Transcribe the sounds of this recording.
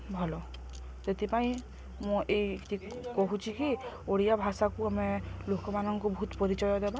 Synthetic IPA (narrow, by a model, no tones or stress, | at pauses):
bʱɔlɔ | t̪et̪ipaĩ | mũʔejkʈikoɦũt͡ʃʰiki | oɽijabʱasakuamelokɔmanɔŋkubɔut̪pɔɾit͡ʃɔjɔd̪eba